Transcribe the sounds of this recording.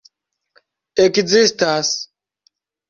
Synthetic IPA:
ekid͡zist̪aːs

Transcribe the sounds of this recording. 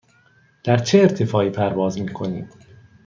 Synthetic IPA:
d̪̥æɾt͡ʃʰeːɾt̪ʰe̞fɒːiːpʰæɾvɒːzmiːkʰo̞nḭːm

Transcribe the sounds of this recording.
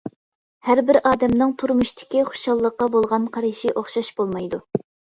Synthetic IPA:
hæɾbɪɾɑːd̪ɛmnɨŋt̪ʰuɾmuʃt̪ʰɪ̥kʲiχʊ̥ʃɑlˠːəqːɑbolˠʁɑnqʰɑɾɨʃiʔoχʃɑʃbolˠmɑjd̪u

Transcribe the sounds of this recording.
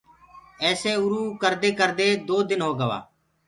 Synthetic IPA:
ɛːseːʊɾuːkəɾd̪eːkəɾd̪eːd̪oːd̪ɪnɦoːɡəʋa̰ː

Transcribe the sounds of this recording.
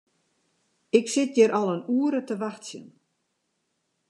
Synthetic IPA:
ɪksɪt̪jɛɾʔalˠanuːɾət̪ʰəʋahtsjə̰n

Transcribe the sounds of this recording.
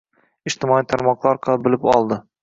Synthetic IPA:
ɪʃt̪ɪmɒit̪ʰaɾmɒqlˠaɾqʰɑbɪlɪpɒlˠd̪ɪ

